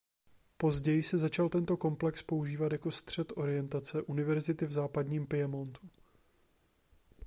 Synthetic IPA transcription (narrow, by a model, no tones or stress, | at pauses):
po̞zɟɛjɪsɛzat͡ʃalt̪ɛnt̪o̞ko̞mplɛkspo̞uʒiːvat̪jako̞st̪r̝̥ɛt̪ʔo̞ɾɪjɛnt̪at͡sɛʔunɪvɛɾzɪt̪ɪvzaːpadɲiːmpɪjɛmo̞nt̪u